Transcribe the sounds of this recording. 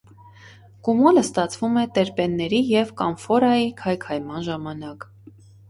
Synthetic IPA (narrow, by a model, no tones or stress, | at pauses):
kumɔləst̪ɑt͡sʰvumɛt̪ɛɾpɛnːɛɾijɛvkɑnfɔɾɑjikʰɑjkʰɑjmɑnʒɑmɑnɑk